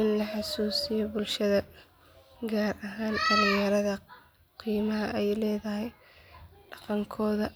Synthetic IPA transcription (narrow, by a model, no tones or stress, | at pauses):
ɪnlɐħɑsuːsɪjɔbʊlʃɐðɐ | ɡaːrɐɦaːndɐɾɪjɐɾɐðɐ | qiːmɐɦɐʔɛjlɛːðɐɦɛj | ɖɑqɑŋkʰɔːðɐ